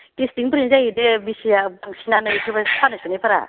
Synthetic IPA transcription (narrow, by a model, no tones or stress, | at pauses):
kistiŋpɾinzajidebisijabaŋsinanɯjkʰibapʰanaskanipʰaɾa̰